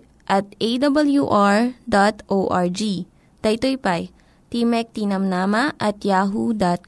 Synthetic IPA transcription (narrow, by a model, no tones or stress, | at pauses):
ʔɐt̪̚ʔejd̪ɐbɐljuʔaɹd̪at̪ʔoʔaɹd͡ʒi | t̪ɐjt̪ojpaj | t̪imɛk̚t̪inɐmnaːmɐʔɐt̪jaːɦud̪at̪̚